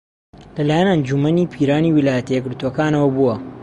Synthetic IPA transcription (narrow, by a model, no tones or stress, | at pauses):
lɐlaːjɐnɐnd͡ʒumɐniːpʰiːɾaːniːwilaːjɐt̪jeɡɨɾt̪uwɐkaːnɐwɐbuwɐ